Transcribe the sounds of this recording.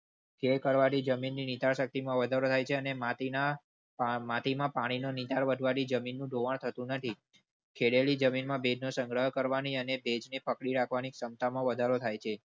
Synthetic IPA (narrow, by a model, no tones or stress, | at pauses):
kʰelkəɾʋaɾid͡ʒəminːinit̪aɾʃək̚t̪imãʋəd̪ʱaɾot̪ʰajt͡ʃʰeənemat̪ina | mãt̪imãpaɽ̃inonit̪aɾʋəd̪ʱʋaɾid͡ʒəminːũɖoʋaɳ̃t̪ʰət̪ũnət̪ʰi | kʰeɽelid͡ʒəminmãbed͡ʒnosə̃ŋɡɾəɦkəɾʋaniənebed͡ʒnepəkɽiɾakʰʋaniksəmt̪amãʋəd̪ʱaɾot̪ʰajt͡ʃʰe